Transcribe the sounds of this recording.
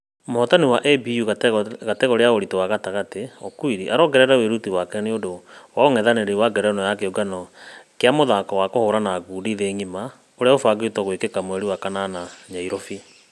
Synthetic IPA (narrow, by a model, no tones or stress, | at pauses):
mohɔtaniwaʔɛbijuɣateɣoɾeaoɾitowaɣataɣateɔkuiɾiʔaɾɔɡɛɾɛɾɛweɾutiwakɛneodowaoŋɛðaneɾewaɡɛɾɛnɔjakeoɡanɔkeamoðakɔwakohoɾanaɡuːdiðeŋima | oɾeaofaɡeutɔɣwekekamoɛɾiwakananaɲaiɾɔfi